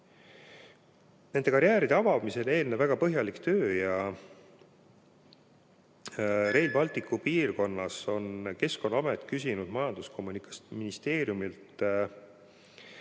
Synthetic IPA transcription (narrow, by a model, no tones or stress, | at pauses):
ne̞nd̪̥e̞kɑɾjæːɾid̪̥eɑvɑmise̞le̞ːlnevːæɡ̥ɑpɤɦjɑlikt̪øːjɑ | ɾe̞jlbɑlt̪ikːˑupiːrko̞nːɑso̞nke̞sko̞nːɑɑmet̪ːˑkys̬ʲinud̪̥mɑjɑnd̪̥uskʰo̞mːunikɑsminist̪e̞ːɾjumilt̪ˑ